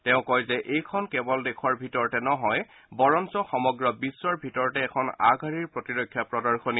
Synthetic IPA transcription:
tɛʊ̃kɔjzɛʔejkʰɔnkɛbɔldɛkʰɔɹbʱitɔɹtɛnɔɦɔj | bɔɹɔnsɔxɔmɔɡɹɔbisːɔɹbʱitɔɹɔtɛːkʰɔna̰ɡʱaɹiɹpɹotiɹokʰːjapɹɔdɔɹkʰoni

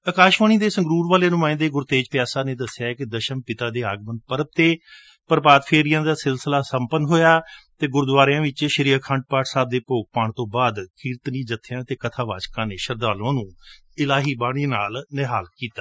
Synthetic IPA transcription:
əkaːʃʋaːñiːd̪eːsə̃ŋɡɾuːɾʋaːleːnʊmãːɪ̃nd̪eːɡʊɾt̪eːd͡ʒpjaːsaːnẽːd̪əsɪjaːɛkɪd̪əʃəmpɪt̪aːd̪eːaːɡmənpəɾəp̚t̪eː | pəɾpaːd̪pʰeːɾijãːd̪aːsɪlsəlaːsəmpənɦoːjaːt̪eːɡʊɾd̪ʋaːɾjãːʋɪt͡ʃʃəɾiːkʰãːɳɖ̚paːʈsaːb̚d̪eːpoːk̚paːɳt̪õːbaːd̪kʰiːɾt̪niːd͡ʒət̪ʰːɪjãːt̪eːkət̪ʰaːʋa̰ːd͡ʒkãːneːʃəɾd̪aːlãːnũː | ɪlaːɦiːbaːɽ̃iːnaːlnɪɦaːlkiːt̪aː

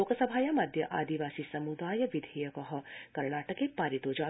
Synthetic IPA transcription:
oːkɐsɐbʱaːjɐmɐd̪ʱjɐʔaːd̪iʋaːsisɐmud̪aːjɐʋid̪ʱeːjɐkɐɦɐ̆kɐɾɳaːʈɐkeːpaːɾit̪oːd͡ʒaː

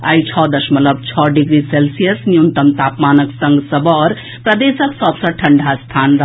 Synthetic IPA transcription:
a̰jt͡ʃʰɔːd̪ɐʃmɐləb̚t͡ʃʰɔɖiɡɾiselsijəsnjunt̪əmt̪aːpmaːnəksə̃ŋɡsəbɔːɾ | pɾɐd̪eːsəksɔbsəʈʰɐɳɖʱast̪ʰaːnɾ

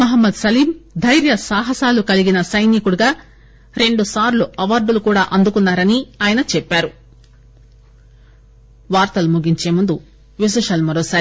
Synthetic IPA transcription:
mɐɦɐmːɐd̪sɐliːmd̪ʱɐjɾjɐsaːɦɐsaːlukɐliɡinɐsɐjnikuɽuɡaː | ɾe̞ɳɖusaːɾluɐʋaːɾɖulukuːɽaːʔɐnd̪ukunːaːɾɐniaːjɐnɐt͡ʃɛpːaːɾu | ʋaːɾt̪ɐlumuɡiɲt͡ʃe̞ːmund̪u | ʋis̬ɐʂɐːlmɐɾɔːsaːɾi

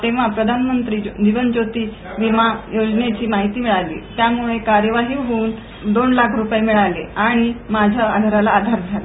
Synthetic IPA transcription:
t̪eʋ̤apɾəd̪ʱanmənt̪ɾiːd̪iʋənd͡ʑot̪iː | ʋimajod͡ʑnet͡ɕiːmaɦit̪iːmiɭalḭːt̪jamuɭekaɾjəʋaɦiːʋɦouːn | d̪onlakʰɾupjemiɭalḛaɽ̃imad͡ʑʱaːd̪ʱəɾalaːd̪ʱaɾd͡zʱala̰

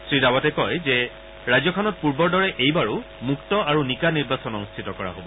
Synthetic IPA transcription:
sɹidawatɛkɔjzɛ | ɹajzɔkʰɔnɔt̚puɹbɔɹdɔɹɛʔejbaɹu | muktɔaɹunikaniɹbasɔnɔnustʰitɔkɔɹa̰ɦobɔ

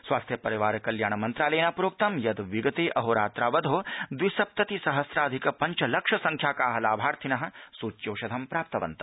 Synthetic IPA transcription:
swaːst̪ʰjɐpɐɾiʋaːɾkɐljaːɳ̃ɐmɐnt̪ɾaːleːnaːpuɾoːk̚t̪ɐmjɐd̪ʋiɡɐt̪eːʔɐɦoːɾaːt̪ɾaːʋɐd̪ʱoːd̪ʋisɐp̚t̪ɐt̪isɐɦɐsɾaːd̪ʱikɐpɐɲt͡ʃɐlɐkʂɐsɐŋkʰjaːkaːɦɐlaːbʱaːɾt̪ʰinɐɦɐ̆suːt͡ʃjoːʃɐd̪ʱɐmpɾaːp̚t̪ɐʋɐ̰nt̪ɐ̥

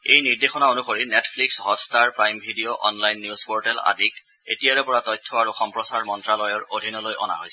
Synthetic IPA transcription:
ejniɹdexɔnaonuxoɹinɛtʰpʰliksɦɔtstaɹpɹajmbʱidijoʔɔnlajnːjuspɔɹtɛla̰dik | ḛtijaɹɛpɔɹatɔjtʰːɔaɹuxɔmpɹɔsaɹmɔntɹalɔjɔɹodʱinɔlojʔɔ̰na̰ɦojsɛ

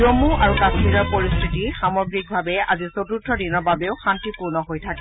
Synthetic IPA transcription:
omuʔaɹukasiɹɔɹpoɹistʰitixamɔɡɹik̚bʱabɛa̰zisotutʰːɔdinɔɹbabeʊxantipuɹnɔɦojtʰakɛ

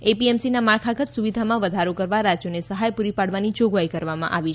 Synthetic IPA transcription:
epiemsinamaɭkʰaɡʱət̪suʋid̪ʱamãʋəd̪ʱaɾokəɾʋaɾad͡ʒjonesəɦajpuɾipaɽʋanid͡ʒoɡʋajkəɾʋamã̰ʔaʋit͡ʃʰ

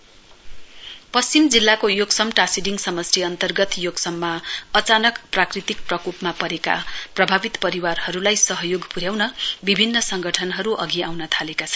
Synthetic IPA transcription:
pʌst͡simd͡zilːakojoɡsʌmʈasiɖiŋɡsʌmʌsriʌnt̪ʌrɡʌt̪joɡsʌmːaʌt͡sanʌkprakrit̪ik̚prʌkupmapʌɾeka̰prʌbʱabit̪pʌɾiwarhʌɾulajsʌɦʌjoɡpuɾjawnʌbibʱinːʌsʌŋɡʌʈʰʌnɦʌɾuʔʌɡiawnʌt̪ʰalekat͡sʰʌ̥n

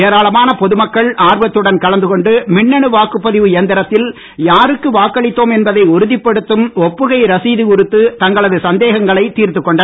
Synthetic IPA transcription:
eːɾaːɭɐmaːnɐpɔðɯmɐkːɐɭaːɾʋɐt̪ːɯɽɐnkɐɭɐnd̪ɯkɔɳɖɯmɪɳːɐɳɯʋaːkɯpːɐðɪʋɯeɐnd̪ɪɾɐt̪ːɪl | jaːɾɯkːɯʋaːkːɐɭɪt̪ːoːmɛnbɐðɐɪʊɾɯðɪpːɐɽɯt̪ːɯmɔpːɯɣɐɪɾɐsiːðikʊɾɯt̪ːɯt̪ɐŋɡɐɭɐðɯsɐnd̪eːɣɐŋɡɐɭɐɪt̪ːiːɾt̪ɯkːɔɳɖɐ

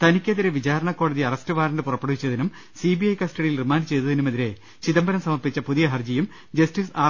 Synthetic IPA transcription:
t̪ɐnikʲːɐðiɾeʋid͡ʑaːɾɐɳɐkːo̞ːɽɐðiɐrɐstɨʋaːɾɐndɨpurɐpːeɽuʋit͡ɕːɐðinum | sibiɐjkɐsʈɐɽijilrimaːndɖɨt͡ɕe̞jt̪ːɐðinumɐðiɾe̞ | t͡ɕiðɐmbɐɾɐmsɐmɐrpit͡ɕːɐpuðijɐɦɐrd͡ʑijum | d͡ʑɐstisaː

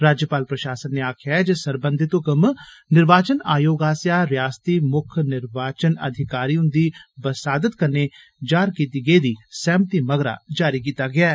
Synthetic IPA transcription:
ɾaːd͡ʒjəpaːlpɾɐʃaːsənːeaːkʰjad͡ʒesɐɾbə̃nd̪ʱɪt̪õkəmnɪɾʋaːt͡ʃəna̰ːjoːɡaːsjaːɾjaːst̪imʊkʰnɪɾʋaːt͡ʃənɐ̰d̪ʱɪkaːɾijõd̪ibəsaːd̪ət̪kɐɾne | d͡ʒaːɾkiːt̪iɡeid̪isɛ̃ːmt̪imɐɡɾa̰d͡ʒaːɾik̬iːt̪aɡɪjaːɦɛː

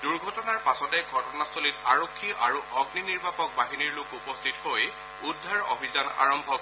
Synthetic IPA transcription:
duɹɡʱɔtɔnaɹpasɔtɛɡʱɔtɔnastʰolitaɹokʰːiʔaɹuʔɔɡniniɹbapɔk̚baɦiniɹlʊkupɔstʰithoj | udʱːaɹɔ̰bʱizana̰ɹɔmbʱɔk

